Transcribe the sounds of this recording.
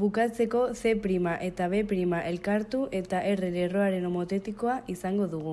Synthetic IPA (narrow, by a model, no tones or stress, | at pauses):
bukat͡se̞ko̞se̞pɾimaʔe̞t̪aβ̞e̞pɾimaʔe̞lkaɾt̪uʔe̞t̪aʔereɾero̞aɾe̞nomo̞t̪e̞t̪iko̞aʔisaŋɡo̞ðuɣ̞u